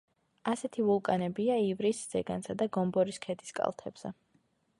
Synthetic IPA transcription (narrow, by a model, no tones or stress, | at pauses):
asɛt̪ʰivulˠkʼanɛbiaivɾisz̥ɛɡansad̪aɡɔmbɔɾiskʰɛd̪iskʼa̰lˠt̪ʰɛ̰b̥z̥ɛ̰